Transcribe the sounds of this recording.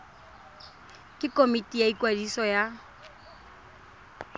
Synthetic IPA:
kʼɪkʼomitʼijaikʼwadisɔja

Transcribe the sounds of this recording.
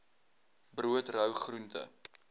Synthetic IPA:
bruətrœwχruntə̰

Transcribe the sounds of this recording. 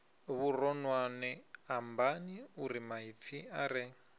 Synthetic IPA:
βuɾɔnwanɛambaniuɾimaɦip̪fʰiaɾɛ

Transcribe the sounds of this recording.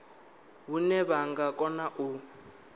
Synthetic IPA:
ɦunɛβaŋɡakʼɔnaʔu

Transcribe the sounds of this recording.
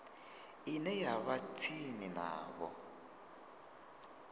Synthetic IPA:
inɛjaβat͡sʰinina̰ːβɔ̰

